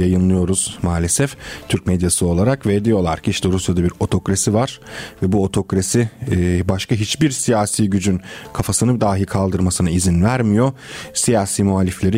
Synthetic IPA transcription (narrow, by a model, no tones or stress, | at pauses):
ajɯnlˠɯjo̞ɾuz̥maːlʲesɛft̪ʰyɾc̚mɛd̪jasɯo̞lˠaɾakved̪ijo̞lˠa̰ɾcʰiiʃt̪ʰɛɾusjad̪abiɾo̞t̪ʰo̞kɾasivaɾ̥vɛbuo̞t̪ʰo̞kɾasibaʃkʰaɦit͡ʃbiɾsijaːsiːɟyd͡ʒynkʰafasɯnɯbd̪aːɦikʰalˠd̪ɯɾmasɯnaizinvæɾmijo̞sijaːsiːmuɦalʲːiflʲe̞ɾi